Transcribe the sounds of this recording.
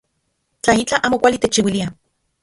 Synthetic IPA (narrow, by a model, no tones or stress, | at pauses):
t͡ɬait͡ɬaʔaːmokʷalit̪et͡ʃːiwilia